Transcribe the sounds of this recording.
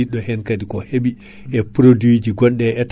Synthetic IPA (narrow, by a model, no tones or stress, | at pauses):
iɗɔhɛnkadikɔheɓi | ʔɛpɾodwid͡ʒiɡɔnɗɛɛt